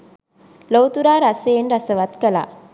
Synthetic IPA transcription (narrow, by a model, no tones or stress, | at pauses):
lowt̪uɾaːɾɐseːnɾɐsəʋɐt̪kɐla̰